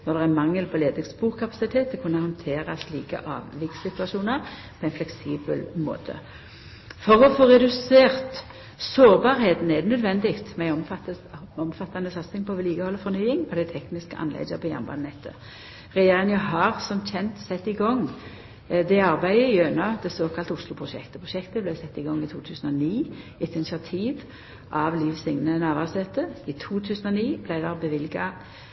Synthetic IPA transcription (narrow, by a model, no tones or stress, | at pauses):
nɔʁd̪ɛɛmɑŋːəlpʰɔleːd̪əsbuːʁkʰɑpɑ̥sɪt̪ʰeːt̪ːɛkʰʊnːəhɑnt̪ʰeːʁɑsliːkə̰ʔɑ̰ːʋʋɪksɪt̪ʉɑʃuːnəʁ | pʰɔæɪnflɛksiːbəlmo̰ːt̪ʰə̰ | fɔʁɔfoːʁɛd̪ʉseːʁt̪ | soːʁbɑʁheːt̪n̩ɛd̪ɛnœd̪ʋɛnd̪ɪkt̪mæɪɔmt̪ | ɔmfɑt̪ːɑnəsɑt̪sɪŋpʰɔʋɛliːɡəhɔlːəfɔʁnyːɪŋɔd̪æɪt̪ʰɛknɪskəʔɑ̰nlɛ̰ɪd̪əpʰɔjɑ̰mbɑ̰nnɛt̪ʰːə̰ | ʁɛjeːʁɪŋəɦɑʁsɔmc͡çʰɛnt̪sɛt̪ːɪɡɔŋ | d̪ɛɑʁbæɪəjœnɑd̪ɛsoːkʰɑlt̪əʊslʊpʰʁʊʃɛ̰kt̪əpʰʁʊʃɛkt̪əblæɪsɛt̪ːɪɡɔŋːɪt̪ʰuːt̪ʰʉːsn̩ɔniːɪt̪ʰɪnɪsɪɑt̪ʰiːʋ | ʔɑʋliːʋsɪŋnənæːʋæʁsheːt̪əɪt̪ʰuːt̪ʰʉːsn̩ɔniːblæɪd̪æʁbəʋɪlɡɑ